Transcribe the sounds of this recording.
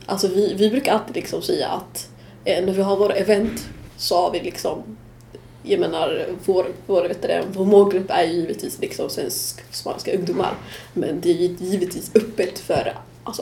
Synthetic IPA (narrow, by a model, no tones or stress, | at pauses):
ʔalsɔvɪvɪbɾʉkaɾalt̪ɪd̪lɪksɔmsɛjːa̰ʔa̰t̪ | næɾvɪɦaɾvoːɾɛvɛnt̪sɔhaɾvɪlɪksɔm | jajmeːnaɾvoːɾvoːɾvɛt̪ːəɾɛ̰nvoːɾmoːɡɾɵpːæɾjɵjiːvɪt̪viːslɪksɔmsvɛ̰nskspa̰nskaɵŋd̪ʊmːa̰ɾmɛ̰nd̪ɛæɾjɵɪjiːvɪt̪viːsɵpːət̪fœ̰ɾ | ʔalsɔ